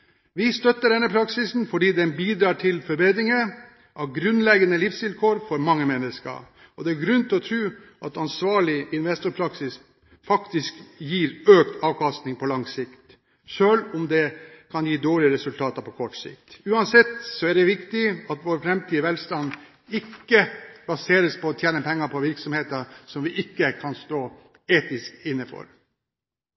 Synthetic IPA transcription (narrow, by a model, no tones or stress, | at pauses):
ʋɪst̪œt̪ːəɖɛnːəpʰɾɑksɪsnfɔɖiːd̪ɛnbiːd̪ɾɑːʈʰɪlfɔɾbeːd̪ɾɪŋə | ʔɑʋɡɾʉnlɛɡənəlɪfsʋɪlkʰoːɾfɔɾmɑŋːəmɛnːəskə̰ | ɔd̪ɛæɾɡɾʉnt̪ʰɪlɔt̪ʰɾʉː | ʔɑt̪ɑnsʋɑːɭɪɪnʋɛst̪ʊɾpʰɾɑksɪs | fɑkt̪ɪskjiːɾøːkt̪ʰɑːʋkʰɑst̪nɪŋpʰɔlɑŋsɪkt̪ | ʃøːlʊmd̪ɛkʰɑnjiːd̪oːɭɪəɾɛsʉlt̪ʰɑːt̪ɑɾpʰɔkʰɔʈsɪ̰kt̪ʉːɑnsɛt̪ːsɔæɖɛʋɪkt̪ɪɑt̪ʋoːɾfɾɛmt̪ʰiːəʋɛlst̪ɑn | ɪkːəbɑseːɾəspʰɔːt̪ʰjeːnəpʰɛŋːəɾpʰɔʋɪɾksɔmheːt̪əsɔmʋɪʔɪkːəkʰɑnst̪oː | eːt̪ɪskɪnːəfɔ̰ɾ